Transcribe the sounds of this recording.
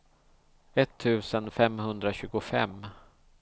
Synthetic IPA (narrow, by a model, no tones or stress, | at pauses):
ɛt̪ʰːʉ̟ːsənfɛmhɵnd̪ɾaɕʉ̟ːɡʊfɛ̰mː